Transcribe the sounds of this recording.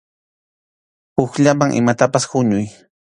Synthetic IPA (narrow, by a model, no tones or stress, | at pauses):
ʊxʎamaŋʔɪ̰mat̪apashʊɲʊj